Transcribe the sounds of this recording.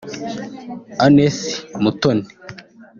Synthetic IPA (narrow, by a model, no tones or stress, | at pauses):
anesi̥mutone̥